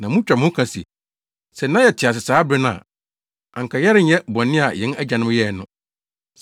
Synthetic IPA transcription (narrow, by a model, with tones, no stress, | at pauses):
nã˨mʊ̃˦t͡ɕᶣa˨mʊ̃˦kʰã˨sḭ˨ | sɛ˨nã˦jɛ˨tʰɪ˨a˨sɪ˨saː˨˦bɾɪ˦nʊ̃˦a̰˨ | ã̰˨ŋ˨ka˨jɛ˦ɾɪ˦ɲ̩˦ɛ˦bɔ̃˨nː˦ɪ̃˦a˨jɛ̃˨˦næ˦d͡ʑã˨nʊ̃˦m˦jɛ˦˨nʊ̰̃˦˨